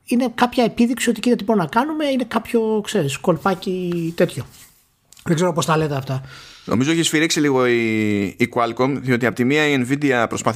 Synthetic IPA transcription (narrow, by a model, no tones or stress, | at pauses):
ine̞kɐpçɐe̞piðiksio̞t̪icit̪ɐt̪iboɾinɐkɐnume̞ine̞kɐpço̞kse̞ɾisko̞lpɐcit̪e̞t̪ço̞ | ðeɡze̞ɾopo̞st̪ɐle̞t̪eɐft̪ɐno̞̰mizoeçisfiɾiksiliɣo̞iːkuɐlkomðio̞t̪iɐpot̪imiɐienvid̪eɐpɾo̞spɐθ